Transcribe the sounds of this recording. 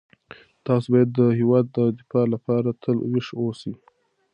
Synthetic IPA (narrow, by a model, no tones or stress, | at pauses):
t̪ɑsobɑjad̪ːəɦɪwɑd̪ːəd̪ɪfɑlapɑɾat̪ʰəlwɪʂosi